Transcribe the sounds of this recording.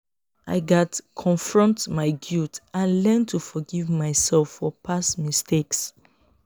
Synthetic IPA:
ʔaɪɡatkʰɔ̃nfɹɔ̃ntmaɪɡutãnlɛ̃ntʰufɔɡivmaɪsɛlfːɔpʰasmistʰeks

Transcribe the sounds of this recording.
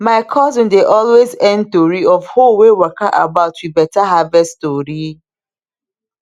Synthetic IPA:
maɪkʰɔzɪ̃ndeʔɔlwezɛ̃ntoɾiɔvhowewakaʔabaʊtwibɛtaɦavɛstoɾi

